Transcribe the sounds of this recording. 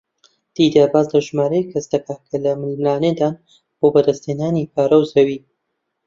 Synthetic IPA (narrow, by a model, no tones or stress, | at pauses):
d̪̥iːd̪abaːzlɐʒmaːɾɐkʰɐsd̪ɐkʰakʰɐlɐmɨlmlaːned̪aːn | b̥oːbɐd̪ɐst̪eːnaːnipʰaːɾɐwzɐwi